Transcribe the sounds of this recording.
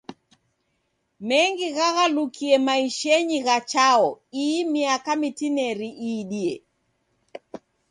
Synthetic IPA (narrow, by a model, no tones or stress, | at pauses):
mɛŋɡiɣaɣalukʰiɛmaiʃɛɲiɣat͡ʃaɔimiakamitinɛɾiʔiːɗiɛ